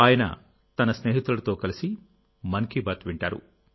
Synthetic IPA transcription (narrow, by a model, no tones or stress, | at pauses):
aːjɐnɐ̰ | t̪ɐnɐsneːɦit̪ɾulɐt̪oːkɐlisi | mɐŋkibaːt̪ʋiɳʈaːɾṵ